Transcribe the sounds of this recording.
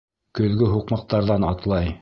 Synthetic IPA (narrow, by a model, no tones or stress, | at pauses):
kɵ̆ðɡɵɦuqmɑq̚t̪ɑɾðɑnɑt̪lˠɑj